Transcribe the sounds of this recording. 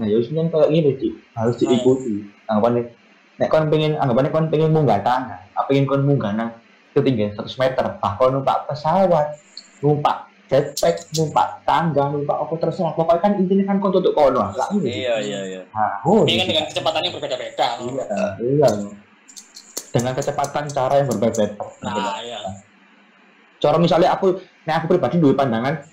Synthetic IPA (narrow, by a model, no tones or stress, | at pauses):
najaismankajaʔɡiɾed̪iʔb̥a̤ɾʊsd̪̥iʔikut̪iaŋɡapane | nɛʔkɔnpiŋɪnaŋɡapanekɔnpeŋɪnmuŋɡat̪aŋɡaa̰piŋɪnkɔnmuŋɡanaŋ | kət̪iŋɡalsəɾʊsmɛt̪ərb̥ahkɔnumpa̰ʔpəsawat̪̚ | numpa̰ʔ | d̥ɛt̪̚pɛk̚numpa̰ʔt̪aŋɡanumpa̰ʔɔkɔt̪ərsəɾahpɔkɔikanint̪inekankɔnt̪ut̪ʊʔkɔnɔala̰ʔmui | haoikanddəŋankət͡ʃəpat̪anjaŋbərbedabed̥aijaijau | d̪̥əŋankət͡ʃəpat̪ant͡ʃaɾajaŋbərbeabed̪aaəlaa | t͡ʃɔɾɔmisalaaku | nɛakupɾibad̥iduipandaŋan